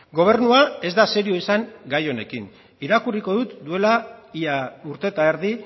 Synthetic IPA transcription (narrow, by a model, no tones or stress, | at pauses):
ɡo̞β̞e̞ɾnuae̞zd̪ase̞ɾio̞isaŋɡajo̞ne̞kin | iɾakuriko̞ðut̪d̪ue̞laiauɾt̪e̞t̪aeɾði